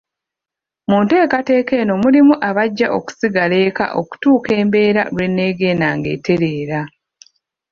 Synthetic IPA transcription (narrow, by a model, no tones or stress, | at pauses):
muːnteːkate̞ːke̞ːno̞mulimuʔaβaɟːaʔo̞ku̥siɡale̞ːka̰ʔo̞̰ku̥tuːke̞ːmbe̞ːɾa̰lwe̞nːe̞ːɡe̞ːnaːŋɡe̞̰ːte̞ɾe̞ːɾa